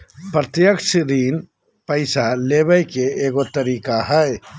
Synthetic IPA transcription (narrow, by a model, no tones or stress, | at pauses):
pɾət̪jəkʃɾiːn | pəɪsaleːbəjkeeːɡot̪əɾiːkaɦəj